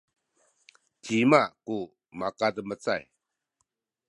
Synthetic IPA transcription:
t͡ɕimaʔku | makadəmət͡sa̰j

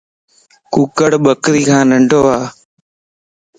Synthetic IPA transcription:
kuːkəɽɓəkɾiːkʰãːnəɳɖʱoːʋaː

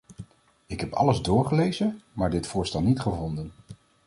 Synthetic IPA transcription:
ɪkɦɛpɑ̰ləzdʊːɹχəlejzəmaːɹdɪtfʊːɹstɛlˠnitχəvɔndən

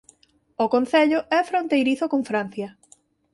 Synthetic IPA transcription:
okõn̟θeʎʊʔɛfɾont̪ejɾiθokoɱfɾan̟θjɐ

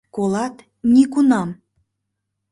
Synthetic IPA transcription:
kolɑt̪ | nʲikunɑm

